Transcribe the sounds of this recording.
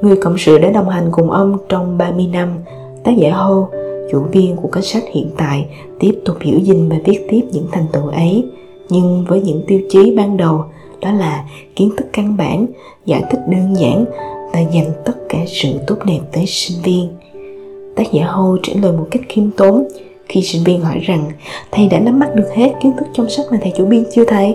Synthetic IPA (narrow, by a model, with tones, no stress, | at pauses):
ŋɨ˨˩əjkə̰˧˨wŋ͡msɨ̰˧˨ɗa̰ː˧˥ɗə˨˩wŋ͡mha˨˩jŋ̟kʊ˨˩ŋ͡mʔə˧wŋ͡mt͡ɕɔ˧wŋ͡mɓaː˧mɨ˧əjna˧m | t̪aː˦˥k̚za̰ː˧˩ɦo˧t͡ɕṵ˧˩vi˧ənku˧˩əka˧˦ŋsa˦˥k̟̚hḭ˧˨ənt̪a̰ː˧˨j | t̪i˦˥əp̚t̪ʊ˨˩k͡p̚hɨ̰˧˥wzï˨˩ŋ̟vaː˨˩vi˦˥ət̚t̪i˦˥əp̚ɲɨ̰˧˥ŋt̪ʰa˨˩jŋ̟t̪ɨ̰˧˨ʔə˨˦j | ɲɨ˧ŋvəː˨˦jɲɨ̰˧˥ŋt̪i˧əwt͡ɕi˨˦ɓaː˧nɗə˨˩w | ɗɔ˨˦laː˨˩ | ki˨˦ənt̪ʰɨ˦˥kːa˧ŋɓa̰ː˧˩n | za̰ː˧˩jt̪ʰï˦˥k̟̚ɗəː˧nza̰ː˧˥nvaː˨˩zə˨˩ŋ̟t̪ə˦˥t̚kaː˧˩sɨ̰˧˨t̪o˦˥p̚ɗe˨˩p̚t̪əː˨˦jsï˧ŋ̟vi˧ən | t̪aː˦˥k̚za̰ː˧˩ɦo˧t͡ɕḛ˧˩nləː˨˩jmo˨˩t̚ka˦˥jk̟̚xi˧əmt̪o˨˦n | xi˧sï˧ŋ̟vi˧ənɦɔ̰˧˩jza˨˩ŋt̪ʰa˧jɗa̰ː˧˥na˨˦mːa˦˥t̚ɗɨ˨˩ək̚he˦˥t̚ki˨˦ənt̪ʰɨ˦˥k̚t͡ɕɔ˧wŋ͡msa˦˥k̚maː˨˩t̪ʰa˨˩t͡ɕu˧˩ɓi˧ənt͡ɕɨ˧ət̪ʰə˨˦j